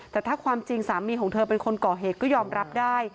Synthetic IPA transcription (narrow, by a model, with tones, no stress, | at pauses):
t̪ɛː˨˩t̪ʰaː˥˩kʰwaː˧mt͡ɕi˧ŋsaː˩˦miː˧kʰɔː˩˦ŋt̪ʰɤː˧pe˧nkʰo˧nkɔː˨˩ɦeː˨˩t̚kɔː˥˩jɔː˧mɾa˦˥p̚daː˥˩j